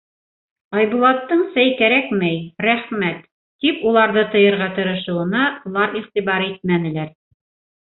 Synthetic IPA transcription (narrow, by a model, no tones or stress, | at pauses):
ɑjβulˠɑt̪ːɤɴsæjkæɾækmæjɾæχmæt̪ː | ipulˠɑɾðɤt̪ɤ̆jɤ̆ɾʁɑt̪ɤ̆ɾɤ̆ʃɤ̆wɤ̆nɑ̆lˠɑɾiχt̪iβɑɾit̪̚mænɘ̆læɾ